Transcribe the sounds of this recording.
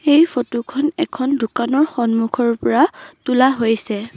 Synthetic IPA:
ejfʰotukʰɔnɛkʰɔndʱukanɔɹxɔnmukʰɔɹpɔɹatulaɦojsɛ

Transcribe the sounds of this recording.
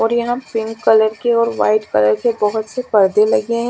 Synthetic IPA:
ɔːɾjɐɦãpɪŋɡkɐləɾkeɔːɾʋa̰ːɪʈkɐləɾkebɐɦʊt̪sepɐɾd̪elɐɡeɦɛ̃

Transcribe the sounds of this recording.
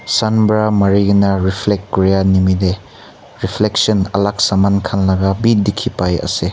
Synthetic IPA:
sɐnbɾamɐɾiɡinɐɾipʰlek̚kɾijanimide | ɾipʰleksɐnɐ̰lak̚samankʰanlɐɡɐbidikʰipajɐ̰se

